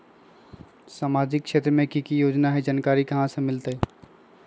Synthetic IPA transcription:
saːmad͡ʒɪkt͡ʃʰet̪ɾəmẽkikijod͡ʒnaɦɛd͡ʒankaɾikəɦãsə̃mɪlt̪ə

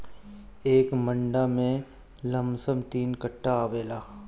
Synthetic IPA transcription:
eːkmə̃ɳɖamẽ | lə̃msəmt̪iːnkəʈːaːʋeːlaː

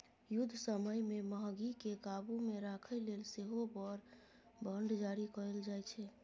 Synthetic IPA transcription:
jud̪ʱːsəməjmeməɦɡikekabumeɾakʰəjlelseɦopəɾ | bʱəɳɖd͡ʒaɾikəɾəld͡ʒajt͡ʃʰɛ

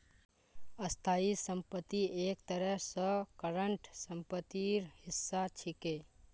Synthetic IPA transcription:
əst̪ʰaisə̃mpət̪ːieːkt̪əɾəsəkəɾəɳʈsəmpət̪ːiɾhɪsːat͡ʃʰike

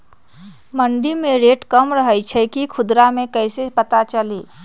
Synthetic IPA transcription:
məɳɖimẽɾeːʈkəmɾəɦəjt͡ʃʰɛkikʰʊd̪ɾamẽkɛːsepət̪at͡ʃəliː

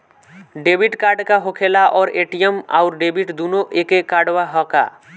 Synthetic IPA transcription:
ɖebiʈkaːɾɖkaɦokʰelaʔɔːɾeʈijema̰ʊɾɖebiʈd̪unoʔekekaɖwaɦɔka̰

